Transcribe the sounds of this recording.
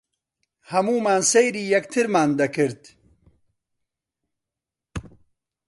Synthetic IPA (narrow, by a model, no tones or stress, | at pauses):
hɐmuːmaːnsejɾiːjɐkt̪ʰiɾmaːnd̪ɐkiɾt̪